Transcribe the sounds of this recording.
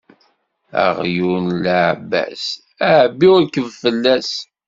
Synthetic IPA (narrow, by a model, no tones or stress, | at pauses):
æ̰ʁjunlæʕbːæ̰s | æʕbːiɾkəvfəlːæs